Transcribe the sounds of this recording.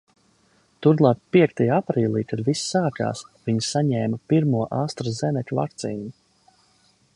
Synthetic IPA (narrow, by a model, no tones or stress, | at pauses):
t̪uɾlˠaːkpiɛkt̪ajaapɾiːlˠiːkad̪visːaːka̰ːsviɲsaɲɛːmapiɾmuɔʔaːst̪ɾazɛnɛkʲva̰k̚t̪siːnu